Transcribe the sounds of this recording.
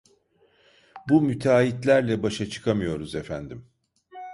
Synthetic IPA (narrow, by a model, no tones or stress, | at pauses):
bumyt̪ʰaːit̪lʲæɾlʲɛbaʃat͡ʃʰɯ̥kʰamɯjo̞ɾuze̞fænd̪im